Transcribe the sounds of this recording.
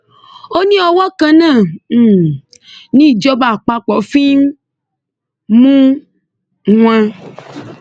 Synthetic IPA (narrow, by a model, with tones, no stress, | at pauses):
o˦nĩ˦ɔ˧wɔ˦kã˧nãː˦˨˦ | nĩ˦i˦˨d͡ʒɔ˦ba˦˨k͡pa˧k͡pɔ˨˦fi˦ | mũ˦ | w̃ã˧